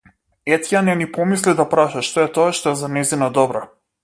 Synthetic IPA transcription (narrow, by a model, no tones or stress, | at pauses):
ɛt̪janɛnipɔmislid̪apɾaʃaʃt̪ɔɛt̪ɔaʃt̪ɔɛzanɛzinad̪ɔbɾa